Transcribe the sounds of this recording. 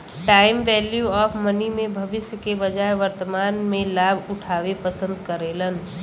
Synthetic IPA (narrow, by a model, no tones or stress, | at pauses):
ʈaːɪmʋɛːljuɔːfʰmənimẽbʱəʋɪsjəkebəd͡ʒaːeʋəɾt̪əmaːnmẽlaːbʱʊʈʰaːʋepəsə̃nd̪kəɾeːlən